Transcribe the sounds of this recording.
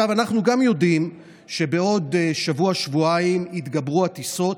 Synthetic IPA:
avanaχnuɡamjo̞dim | ʃe̞be̞o̞d̪ʃavuaʃvuaimit̪ɡabʁuat̪iso̞t

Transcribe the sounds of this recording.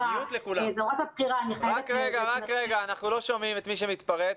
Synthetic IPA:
jut̪lekulazoʁot̪apχiʁanχʁakʁeɡaʁakʁeɡaːnaχnulo̞ʃomimet̪miʃ̬emit̪paʁet

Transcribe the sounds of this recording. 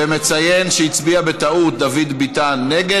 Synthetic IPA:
emet͡saje̞nʃeit͡sbiabet̪aut̪̚d̪avid̪bit̪anːeɡe

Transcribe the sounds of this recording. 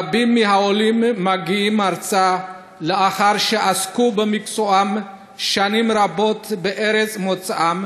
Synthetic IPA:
bimːiɦaolimːaɡiimaɾt͡sa | leʔaχaɾʃeʔaskubemikt͡soʔam | ʃanimɾabo̞t̪beʔeɾet͡smot͡sʔam

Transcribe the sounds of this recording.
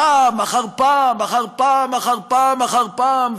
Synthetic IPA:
amaχaʁpamaχaʁpamaχaʁpamaχaʁpam

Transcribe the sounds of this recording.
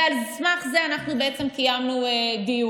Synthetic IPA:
alsmaχzeanaχnubeʔet͡semkajamnued̪iju

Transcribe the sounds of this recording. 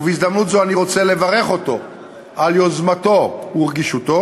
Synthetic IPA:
veizd̪amnut̪zo̞aniʁo̞t͡se̞le̞vaʁe̞χo̞to̞ | ʔaljozmato̞uʁɡiʃut̪o̞

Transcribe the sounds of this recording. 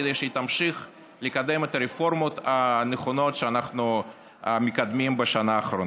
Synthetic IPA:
d̪ejʃet̪amʃiχ | likad̪e̞met̪ɐɾefo̞ɾmot̪aneχono̞t̪ʃeanaχnu | mikad̪mimbeʃanaːχɾon

